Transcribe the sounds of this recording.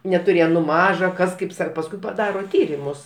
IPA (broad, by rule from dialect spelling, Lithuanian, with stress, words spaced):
nʲɛtʊˈrʲeːjɛm nʊ ˈmɑːʒɐ kɐs ˈkɐɪp ˈsɐ pɐsˈkʊɪ pɐˈdɑːroː ˈtʲiːrʲɪmʊs